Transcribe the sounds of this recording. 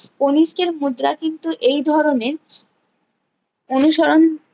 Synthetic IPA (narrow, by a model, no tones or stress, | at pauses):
poniʃkeɾmud̪ːɾakint̪uʔejd̪ʱɔɾoneɾ | onuʃɔɾon